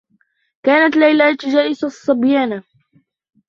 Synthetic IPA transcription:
kaːnat̪lajlat̪d͡ʒaːʔɪsasˤːɑbjaːna

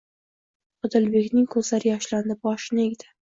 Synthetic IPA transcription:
ʊd̪ɪlbe̞kʲnɪŋkʰɵzlaɾɪjɒʃland̪ɪbɒʃɪneɡʲd̪ɪ̥

